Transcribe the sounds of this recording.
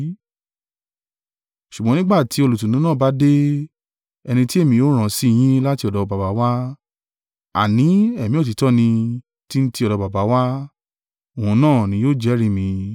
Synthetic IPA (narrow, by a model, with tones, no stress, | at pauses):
ʃu˨ɡ͡bɔ̃˧˦nĩ˦ɡ͡ba˦˨ti˨˦o˧lo˨tũ˨nũ˨˦nã˦˨ba˨˦de˦ | ɛ˧nĩ˧ti˦e˦˨mĩ˧jo˦ɾ̃ã˨si˦˧j̃ĩ˦la˦ti˧ɔ˨dɔ˨ba˨ba˨˦wa˦ | a̰˨nĩ˨˦ɛ˦˨mĩ˨˦ɔ˦˨t̬i˨˦tɔ˦nĩ˧ | ti˦n̩˦ti˧ɔ˨dɔ˨˧˦ba˨ba˨˦wa˦ | o˨ũ˨˧nãː˦˨nĩ˨˧˦joː˦˨d͡ʒɛ˨˦ɾĩ˦mĩ˧